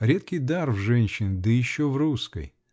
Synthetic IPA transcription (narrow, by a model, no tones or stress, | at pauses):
ɾʲet̪̚kʲɪjd̪arvʐɛnʲɕːɪnʲd̪ɨjɪɕːovruskə̰j